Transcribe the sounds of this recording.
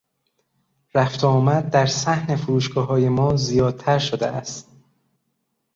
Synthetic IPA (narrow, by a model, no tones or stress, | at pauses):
ɾæft̪ʰɒːmæd̪̚d̪æɾsæhne̞foɾuːʃɡ̥ɒːɦɒːje̞mɒːzijɒːd̪̥̚t̪ʰæɾʃod̪ḛæst̪